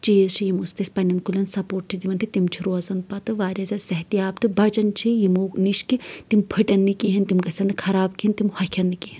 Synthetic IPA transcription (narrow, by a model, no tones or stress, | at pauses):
t͡ʃijzt͡ʃʰijimust̪ɐsʲpɐnʲːɐnkulʲɐnsɐpoːʈ̚t͡ʃʰid̪imɐnt̪ʰit̪imt͡ʃʰiɾoːɐzɐnpɐt̪ɨʋaːɾʲɐzʲɐsɐɦt̪iaːbt̪ɨbɐt͡ʃɐnt͡ʃʰijimoːniʃkit̪impʰɨʈɐnːikiɦɐnt̪imɡɐsʲɐnɨkʰɐɾaːbkʰiint̪imhɐkʰʲɐnːikiɦin